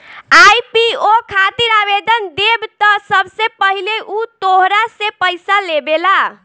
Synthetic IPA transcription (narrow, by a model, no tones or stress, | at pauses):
ajpiokʰat̪iɾabed̪ənd̪ebt̪ɔsəbsepəɦileʔut̪oɦɾasepəjsalebela